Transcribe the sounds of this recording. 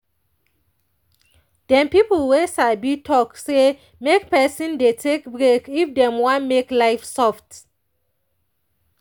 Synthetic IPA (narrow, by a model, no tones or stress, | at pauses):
d̥ɛ̃mpiplwesabitʰɔkse | mekpɛsĩndetʰekbɹekifdɛ̃mwɔ̃nmeklajfsɔft